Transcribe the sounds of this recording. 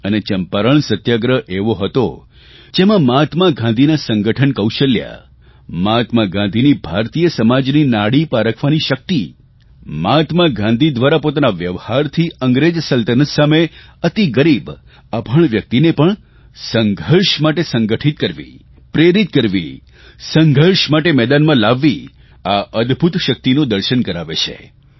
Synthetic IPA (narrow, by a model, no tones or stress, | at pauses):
ənet͡ʃəmpaɾəɳsət̪jaɡɾəʔeʋoɦət̪o | d͡ʒemãmat̪maɡʱãnd̪ʱinasə̃ŋɡəʈʰənkəwʃəlja̰ | mat̪maɡãnd̪ʱinibʱaɾt̪ijəsəmad͡ʒninaɽipaɾəkʰʋaniʃək̚t̪i | mat̪maɡʱãnd̪ʱid̪ʋaɾapot̪anaʋjəʋhaɾt̪ʰiəŋɡɾed͡ʒsəlt̪ənəsameət̪iɡəɾib | əbʱəɳʋjək̚t̪inepəɳ | səŋɡʱəɾʃmaʈesə̃ŋɡəʈʰit̪̚kəɾʋḭ | pɾeɾit̪kəɾʋḭ | səŋɡʱəɾʃmaʈemɛd̪anmãlaʋːi | aʔəd̪bʱut̪ʃək̚t̪inũd̪əɾʃənkəɾaʋet͡ʃʰḛ